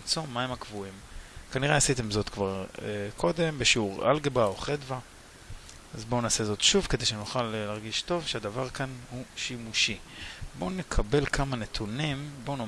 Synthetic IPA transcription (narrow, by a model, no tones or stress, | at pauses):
t͡so̞maemakvuimkaniʁeasitemzo̞t̪kvaʁkʰo̞d̪e̞mbeʃeuʁa̰lɡebaoχedva | azbo̞naːse̞zo̞tʃuvke̞d̪ejʃenuχallːaʁɡiʃto̞vʃeadavaʁkanhuʃimuʃibo̞ne̞kʰabe̞lkʰamane̞t̪ʰunimbono